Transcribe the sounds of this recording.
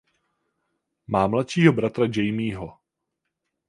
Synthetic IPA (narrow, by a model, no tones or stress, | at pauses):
maːmlat̪ʃiːɦobɾat̪ɾad͡ʒɛjmiːɦo